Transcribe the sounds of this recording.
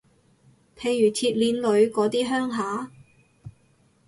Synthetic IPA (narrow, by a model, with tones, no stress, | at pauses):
pʰe˨˩jjyː˨˩t̪ʰiː˧t̚liː˨˧˥nlɵ˨˧ɥkɔː˨˧˥t̪iː˥ɦœː˥ŋɦaː˨˥